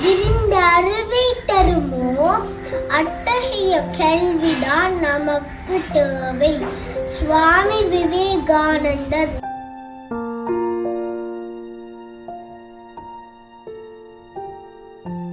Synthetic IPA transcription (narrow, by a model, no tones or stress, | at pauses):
ɪɾɪnd̪ɐːɾɯʋɐɪt̪ːɐɾɯmoː | ɐʈːɐsɪjɐkɛɭʋɪɽaːnɐmɐkːɯt̪eːʋɐɪsʋaːmiʋɪʋeːɡaːnɐɳɖɐɾ